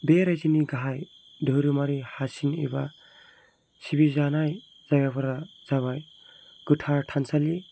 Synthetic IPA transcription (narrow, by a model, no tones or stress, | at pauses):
beɾajziniɡaɦaj | dʱɯwɾɯmaɾihasinḭba | sibizanaj | z̥ajɡabaɾaz̥aβaj | ɡ̥ɯtʰaɾtʰansali